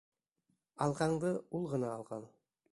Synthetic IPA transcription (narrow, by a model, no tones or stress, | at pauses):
ɑlˠqɑɴd̪ɤulˠʁɤ̆nɑːlˠʁɑlˠ